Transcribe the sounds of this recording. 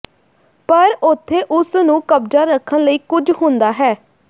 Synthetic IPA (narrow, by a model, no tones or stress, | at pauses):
pəɾʊt̪ʰːeːʔʊsnũːkəb̚d͡ʒaːɾəkʰːənləiːkʊd͡ʒɦʊ̃nd̪aːɦɛː